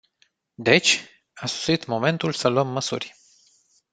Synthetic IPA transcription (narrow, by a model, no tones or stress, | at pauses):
d̪e̞t͡ʃʲ | asu̥sit̪mo̞me̞nt̪ulsəluəmːəsṵrʲ